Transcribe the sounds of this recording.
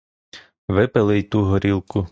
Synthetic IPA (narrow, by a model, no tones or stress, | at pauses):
ʋɪpɪlˠɪjt̪uɦɔɾʲilˠkʊ